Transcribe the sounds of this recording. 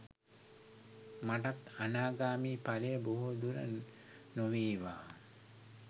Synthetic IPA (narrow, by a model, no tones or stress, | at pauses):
maʈat̪anaːɡaːmiːpalejəboɦud̪uɾə̰ | noʋiːʋa̰ː